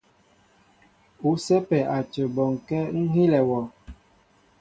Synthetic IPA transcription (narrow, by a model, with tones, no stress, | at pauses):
u˨sɛ˦pɛ˨ʔa˨t͡ʃə˨bɔ˨ŋkɛ˦ŋ̩˦ɦi˦lɛ˨wɔ˨